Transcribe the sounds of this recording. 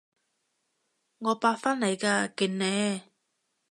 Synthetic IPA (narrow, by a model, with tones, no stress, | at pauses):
ŋɔː˨˧paː˧fa˥nlɐ˨˩jkaː˧ki˨˩nnɛː˨˧˦